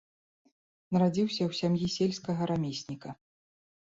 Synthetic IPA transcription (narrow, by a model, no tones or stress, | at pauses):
nɐɾad͡zʲiwsʲɐwsʲamjisʲelʲskɐɣɐɾamʲesʲnʲikɐ